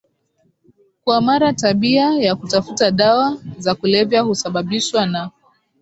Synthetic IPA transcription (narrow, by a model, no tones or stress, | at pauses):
kwamaɾataɓiajakutafutaɗawazakulɛvjahusaɓaɓiʃwana